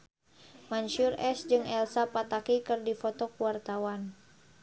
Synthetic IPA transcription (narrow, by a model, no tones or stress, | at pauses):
manʃurɛsd͡ʒɨŋɛlsapat̪akikɨrdifɔt̪ɔkuwart̪awan